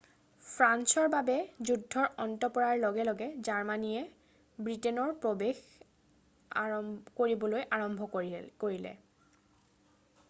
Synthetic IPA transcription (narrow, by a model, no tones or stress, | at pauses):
pʰɹansɔɹbabɛzudʱːɔɹɔntɔpɔɹaɹlɔɡɛlɔɡɛzaɹmanijɛ | bɹitɛnɔɹpɹobex | koɹibɔlojʔaɹɔmbʱɔkoɹilɛ̰